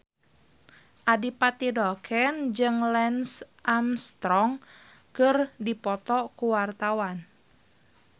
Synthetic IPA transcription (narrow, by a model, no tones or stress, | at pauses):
ʔadipat̪idɔkʰɛnd͡ʒɨŋlɛnsʔamst̪ɾɔŋ | kɨrdipɔt̪ɔkuwart̪awan